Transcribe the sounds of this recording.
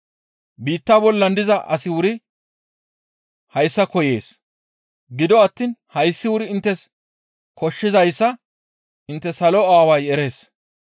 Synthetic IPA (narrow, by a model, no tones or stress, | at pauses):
biːt̪ːaːbɔlːɐnd̪ɪzɐʔɐ̰sɪwʊɾɪ | hɐjsːɐkɔje̞ːs | ɡɪd̪ɔɐt̪ːiːnhɐjsːɪwʊɾɪɪnt̪ːɛs | kʰɔʃːɪzɐjsːɐ | ɪnt̪ːɛsɐlɔaːwɐjɛɾe̞ːs